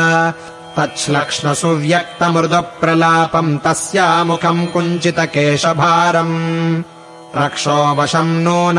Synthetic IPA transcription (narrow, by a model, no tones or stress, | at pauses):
t̪ɐtʃlɐkʂɳɐsuʋjɐk̚t̪ɐmɾʊd̪ɐpːɾɐlaːpɐmt̪ɐsjaːmukʰɐmkuɲt͡ʃit̪ɐkeːʂɐbʱaːɾɐm | ɾɐkʂoːbɐʂɐmnuːn